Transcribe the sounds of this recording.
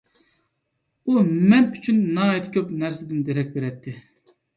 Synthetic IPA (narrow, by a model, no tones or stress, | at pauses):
umɛnyt͡ʃʰynːɑːɛt̪ʰkʲʰøpnæɾsɪd̪ɪnd̪eɾɛk̚ʲbeɾɛt̪ʰːɪ